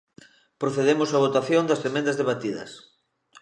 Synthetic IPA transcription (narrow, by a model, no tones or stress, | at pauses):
pɾoθeðemosaβ̞ot̪aθjõnd̪ɐsfemẽnd̪ɐzðeβat̪iðɐ̰s